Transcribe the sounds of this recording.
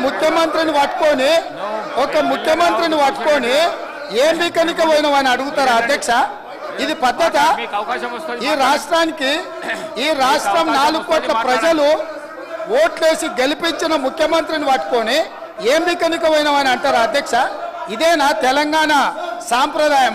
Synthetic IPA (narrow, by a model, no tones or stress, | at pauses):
mukʰjɐmɐnt̪ɾiniʋɐʈko̞ːni | ɔkɐmukʰjɐmɐnt̪ɾiniʋɐʈko̞ːni | eːmbiːkɐnikɐʋɐjnɐʋaːniɐɽuɡut̪aːɾaɐd̪ʱjɐkʂa | id̪ipɐd̪ːɐt̪a | iːɾaːʂʈɾaːniki | iːɾaːʂʈɾɐmnaːlukːɔːʈlɐpɾɐd͡ʒɐlu | oːʈle̞ːsiɡe̞lipiɲt͡ʃinɐmukʰjɐmɐnt̪ɾiniʋɐʈ̚ko̞ːni | eːmbiːkɐnikɐʋɐjnɐʋaːniɐɳʈaːɾaɐd̪ʱjɐkʂaid̪ɛːnaːt̪ɛlɐŋɡaːnɐsaːmpɾɐd̪aːjɐm